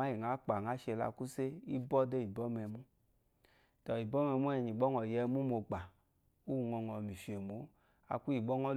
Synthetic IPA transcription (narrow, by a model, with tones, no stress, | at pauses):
a˦ji˨ŋa˨˦k͡pa˨ŋa˨˦ʃɛ˧la̰˧ku˦se˦i˦bɔ˦de˦i˨bɔ˦mɛ˧mu˦ | tɔ˨i˨bɔ˦mɛ˧mu˦ɛ˧˨ɲi˨ɡ͡bɔ˦ŋɔ˨jɛ˧mu˦mo˧ɡ͡ba˨ | u˦u˨ŋɔ˧ŋɔ˨mi˨ʃe˨mo˨˦ | a̰˧ku˦ji˨bɔ˦ŋɔ˦